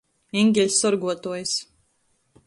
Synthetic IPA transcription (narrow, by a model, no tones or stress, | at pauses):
ɛŋɡʲɛlʲsɔɾɡuɔt̪uɔjs